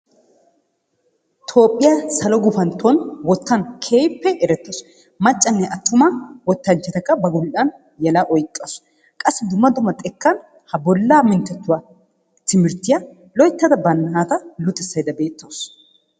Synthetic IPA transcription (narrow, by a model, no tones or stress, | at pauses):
t̪ʰo̞ːpʼːɪjasɐlɔɡʊfɐnt̪ːonwɔt̪ːɐnkʰeːjpːɛɛɾɛt̪ːos | mɐt͡ʃʼːɐnːɛʔɐt̪ːʊmɐwɔt̪ːɐnt͡ʃːɛt̪ɐkːɐbɐɡʊlʔɐn | jɐlɐʔɔjkʼːos | kʼɐsːɪd̪ʊmːɐd̪ʊmɐt̪ʼɛkːɐn | hɐbɔlːaːmɪnt̪ːɛt̪ːʊwa | t̪ɪmɪɾt̪ːɪja | lɔjt̪ːɐd̪ɐbɐnːɐhaːt̪ɐlʊt̪ʼɪsːɐjd̪ɐbe̞ːt̪ːoːs